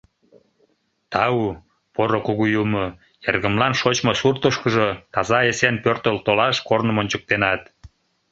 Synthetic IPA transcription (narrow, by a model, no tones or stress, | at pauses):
t̪ɑu | poɾokuɣujumə | jerɣə̆mlɑnʃot͡ɕmosurt̪əʃkə̆ʒok̪ɑzɑesenpørt̪əlt̪olɑʃkornəmonʲt͡ɕək̚t̪enɑt̪